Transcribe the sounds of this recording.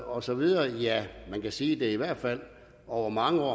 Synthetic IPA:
ɒ̽sɒ̽ʋið̞ˠɐːjæmænkæsiːd̥e̝ɐiʋæɐ̰d̥fæl̰ | ɒʊ̰ɐmɑ̈ŋəɒ̰ː

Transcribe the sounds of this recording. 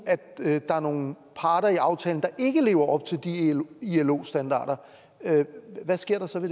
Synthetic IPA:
æd̥d̥ɑ̈æɐno̝ːn̩ | pʰɑ̈ːɾ̥ɐiɑ̈ʊt͡sʰɛ̰ːln̩d̥ɑ̈ʔe̝ɡ̥əle̝̰ːʊɐʔɒ̽b̥̚t͡sʰe̝ld̥iielo̝̰ːsd̥ænd̥ɑ̰̈ːɾ̥ɐ | ʋæsɡ̥e̝ɐ̰ɾ̥ɑ̈sɒ̽ʋe̝d̥e

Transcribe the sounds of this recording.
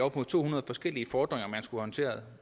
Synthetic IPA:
ɒ̽b̥moðˠʰo̝̰ːhunɐð̞ˠfɒ̽sɡ̥el̰iəfɒːd̥ʁeŋɐmænsɡ̥uhɒ̽nt͡sʰe̝̰ːɐð̩ˠ

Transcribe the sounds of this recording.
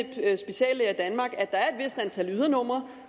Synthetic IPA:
b̥sb̥e̝ɕɛ̰ːlæd̥ænmɑ̈ːɡ̥æd̥ɑ̈æɐe̝d̥ʋe̝sd̥ænt͡sʰælyðˠɐnɔ̽m̰ʁɐ

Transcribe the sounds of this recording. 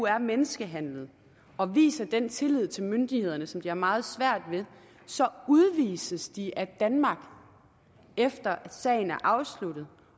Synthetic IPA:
uæɐmenəsɡ̥əɦæn̰lð̞̩ˠ | ɒ̽ʋḭːsɐd̥ent͡sʰe̝lið̞̰ˠt͡sʰe̝lmønd̥ihe̝ð̞̰ˠɐnəsɒ̽md̥iæɐmɑ̈ːð̞̩ˠsʋæɐ̰d̥ʋe̝ | sɒ̽uðˠʋḭːsəsd̥iʔæd̥ænmɑ̈ɡ̥ | efd̥ɐæsɛ̰ːɪn̩æɐʔɑ̈ʊslud̥ð̩ˠ

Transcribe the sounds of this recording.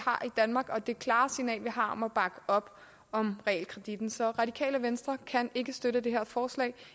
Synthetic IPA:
hɑ̈ʔid̥ænmɑ̈ːɡ̥ɒ̽d̥e̝kʰlɑ̈ːsinɛ̰ːlʋiɦɑ̈ɒ̽mæb̥ɑ̈ɡ̥əʔɒ̽b̥ | ɒ̽mʁɛɛ̰lkʰʁɛd̥id̥n̩sɒ̽ʁɑ̈ɾikʰɛ̰ːləʋensd̥ʁɐkʰæne̝ɡ̥əsd̥øɾəd̥e̝ɦeɐ̰fɒːslɛ̰ː

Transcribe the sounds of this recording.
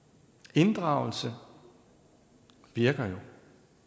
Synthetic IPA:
e̝nd̥ʁɑ̈ʊ̰l̩sə | ʋiɐɡ̥ɐjo̝

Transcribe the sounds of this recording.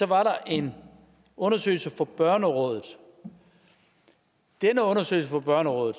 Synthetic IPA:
sɒ̽ʋɑ̈ɾɑ̈ʔe̝n | ɔ̽nɐsø̰ːɪlsəfɒ̽b̥ɶɐnəʁɔ̽ːð̞ˠð̩ˠ | d̥enəɔ̽nɐsø̰ɪl̩səfɒ̽b̥ɶɐnəʁɔ̽ːð̩ˠ

